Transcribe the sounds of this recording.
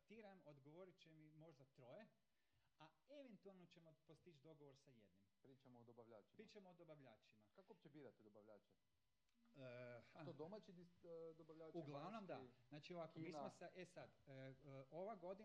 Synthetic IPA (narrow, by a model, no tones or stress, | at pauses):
t̪iːɾamod̪ɡoʋo̞ɾit͡ʃemimo̞ʒd̪at̪ɾo̞je | aeʋent̪ualˠnot͡ʃemopost̪it͡ʃd̪o̞ɡoʋoɾsajed̪nimpɾiːt͡ʃamoːd̪obaʋʎaːt͡ʃipɾit͡ʃamoːd̪o̞baʋʎaːt͡ʃimakakoop̚t͡ʃebiːɾat̪id̪obaʋʎaːt͡ʃɛ | haod̪omat͡ʃid̪id̪obaʋʎaːuɡlˠaʋnomd̪aznaːt͡ʃioʋakomiːsmosaʔesad̪ | oʋaɡo̞d̪i